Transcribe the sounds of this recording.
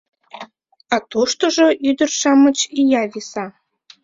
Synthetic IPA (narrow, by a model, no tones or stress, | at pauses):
ɑt̪oʃt̪oʒoʔyd̪ərʃɑmət͡ɕijɑβisɑ